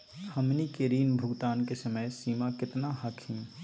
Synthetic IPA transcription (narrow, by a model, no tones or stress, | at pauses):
həmnikeɾiːnbʱʊɡt̪aːnkesəməjsiːmakɪt̪naɦəkʰhĩː